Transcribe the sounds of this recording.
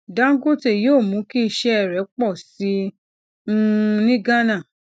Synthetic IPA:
dã˦ŋ̩˦ɡo˦te˦˨joː˦˨mũ˨˦ki˦˧˨ʃɛ˦ɛ˨ɾɛ˨˦k͡pɔ˦˨sĩ˨˦˧ | nĩ˦ɡa˦nã˦˨

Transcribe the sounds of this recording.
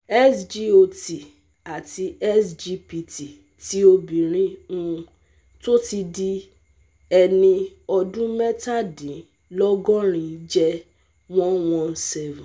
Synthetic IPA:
ɛ˦sd͡ʒi˦o˧ti˨ | a˨ti˧ɛ˦sd͡ʒi˧pi˧ti˨ | ti˦o˧bĩ˨ɾ̃ĩ˦ũ˧ | to˦ti˧di˦ | ɛ˧nĩ˧ɔ˧dũ˦mɛ˦ta˦˨dĩ˨˦ | lɔ˦ɡɔ̃˦ɾ̃ĩ˨˧˦d͡ʒɛ˦ | wɔ̃˦nwɔ̃˦n˦sɛ˦vũ˨

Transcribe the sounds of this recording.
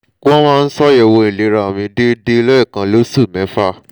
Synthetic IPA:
ko˦ɔ̃˦mãː˦˧n̩˦sɔ˦ɛ˨wo˧i˨le˨˦ɾa˨o˨mĩ˧de˦de˦lɔ˦i˦˨kã˧lo˦su˦˨mɛ̃˨˦fa˦

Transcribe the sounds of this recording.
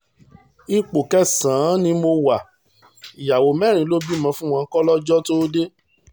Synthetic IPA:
i˧k͡po˨kɛ˦sãː˨˦nĩ˧mo˧wa˨ | i˨ja˨wo˨˦mɛ˦˨ɾ̃ĩ˨˦lo˦bi˦˨mã˧fũ˦w̃ɔ̃˧˦kɔ˦lɔ˦d͡ʒɔ˦to˦de˦

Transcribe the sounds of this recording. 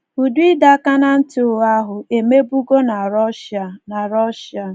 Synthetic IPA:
u˨du˦i˦da˦ka˦na˦n̩˦tʊ˨a˦ɦʊ˨ʔe˨me˦bu˦ɡo˦na˨ɾɔ˦ʃa˨na˨ɾɔ˦ʃa˨

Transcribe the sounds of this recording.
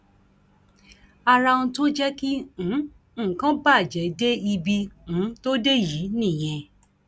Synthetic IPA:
a˧ɾa˧ũ˧to˦d͡ʒɛ˦kĩ˦˨˦ | kã˨˦ba˦˨d͡ʒɛ˨de˦i˧bĩ˧˨˦to˦de˦˨ji˨˦nĩ˦˨j̃ɛ̃˧

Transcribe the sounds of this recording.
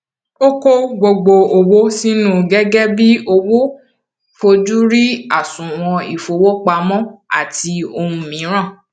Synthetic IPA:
o˦ko˦ɡ͡bo˧ɡ͡bo˧o˨wo˦si˦nũ˦˨ɡɛ˦ɡɛ˦bi˦o˧wo˦ | fo˧d͡ʒu˦ɾi˦a˦˨sũ˨w̃ɔ̃˧i˨fo˨wo˦k͡pa˧mɔ̃˦a̰˦˨ti˧o˧hũ˧mĩ˨˦ɾ̃ã˦˨

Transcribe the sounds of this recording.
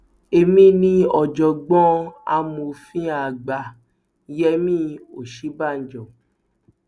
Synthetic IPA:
e˧mĩ˦nĩ˦ɔ˧d͡ʒɔ˧ɡ͡bɔ̃˦a̰˧˦mo˧fĩ˦a˧˨ɡ͡ba˧˨ | jɛ˦mĩ˦˨o˨ʃi˨˦ba˦˨n̩˨d͡ʒɔ˨

